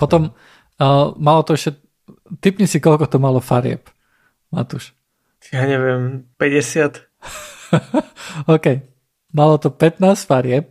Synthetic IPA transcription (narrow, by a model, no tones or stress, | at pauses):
pɔt̪ɔmː | malɔt̪ɔɛʃcɛ | t̪ipɲisikɔlkɔt̪ɔmalɔfaɾɪɛ̰p | mat̪uʃ | jaːɲɛʋɪɛmpɛɟɛsɪat̪ | ɔːkɛj | malɔt̪ɔpɛt̪naːsfaɾɪɛp̚